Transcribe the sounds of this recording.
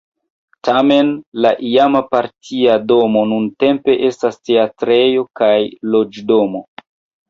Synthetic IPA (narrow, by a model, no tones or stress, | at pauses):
tame̞nlaʔiamapaɾtʰiado̞mo̞nunte̞mpe̞ʔe̞staste̞atɾe̞jo̞kajlo̞d͡ʒdo̞mo